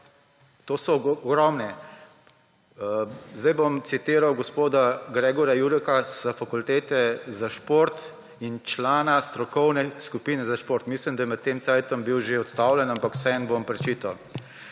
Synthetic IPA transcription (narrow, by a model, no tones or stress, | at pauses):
t̪oːsɔɡɾɔmnɛ | zd̪ajbɔmt̪sit̪iːɾawɡɔspoːd̪aɡɾɛːɡɔɾjajuɾɛkasəfakult̪eːt̪ɛzaʃpoːɾt̪ | int͡ʃlaːnast̪ɾɔkɔwnɛskupiːnɛzaʃpoːɾt̪mislimd̪ajɛmɛt̪ːeːmt̪sajt̪ɔmbiwʒeɔt̪st̪aːwlɛnampakw̥sɛɛnbompɾɛt͡ʃiːt̪aw